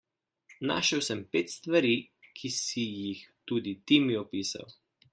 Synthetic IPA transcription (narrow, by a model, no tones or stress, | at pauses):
na̰ʃəwsɛmpeːt̪st̪ʋaɾi | kʰisijixt̪uːd̪it̪imiɔpiːsa̰w